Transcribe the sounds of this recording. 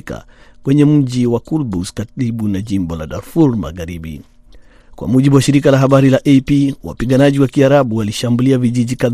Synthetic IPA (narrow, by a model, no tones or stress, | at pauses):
ka̰ | kwɛɲɛm̩ʄiwakulbuskaɾiɓunaʄimbɔla̰ɗaɾfuɾma̰ɣaɾiɓḭ | kwa̰muʄiɓuwaʃiɾikalaɦaɓaɾilaʔepiwa̰piɠanaʄiwakiaɾaɓuwaliʃambuliaviʄiʄikað